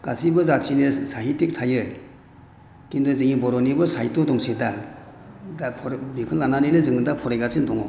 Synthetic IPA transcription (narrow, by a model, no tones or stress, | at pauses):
ɡ̥asʰibɯzatʰinɯsaɦitik̚tʰajɯ | kindɔzɯŋibɔɾɔnibɯsajtɔdɔŋseda | apʰɔɾbikʰɯnlananinɯzɯŋɯdapʰɔɾejɡasindɔŋɔ̰